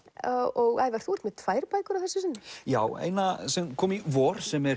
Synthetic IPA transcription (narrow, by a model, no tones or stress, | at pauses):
ɔɣaðvaɾ̥θuɔɾt̪mɛðt̪ʰvajɾpaːjkʏɾawθɛsːʏsɪnːɪjaːwḛːjnasɛmkʰɔːmivɔːɾ̥sɛmɛɾ